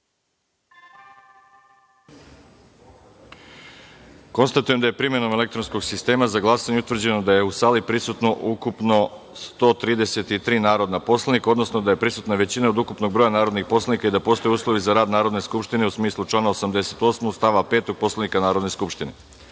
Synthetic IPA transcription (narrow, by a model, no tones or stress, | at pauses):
ko̞nst̪at̪ujemd̪aje̞pɾimje̞no̞mele̞k̚t̪ɾo̞nsko̞ɡsist̪e̞ːmazaɡlˠasaɲeut̪ʋr̩d͡ʑe̞no̞d̪aje̞usaːlipɾisut̪no̞ʔukupno̞st̪o̞ːt̪ɾiːd̪e̞se̞t̪it̪ɾiːnaːɾo̞d̪napo̞slˠaniko̞d̪no̞sno̞d̪aje̞pɾisut̪naʋe̞t͡ɕinaod̪ukupno̞ɡ̚bɾo̞janaːɾo̞d̪nixpo̞slanikaid̪apo̞ːst̪o̞juːslˠo̞ʋizaɾaːd̪naːɾo̞d̪ne̞skupʃt̪ine̞usmiːslˠut͡ʃlˠaːnaosamd̪e̞se̞t̪o̞smost̪aʋape̞ːt̪o̞ɡ̚po̞slanikanaːɾod̪ne̞skupʃt̪ine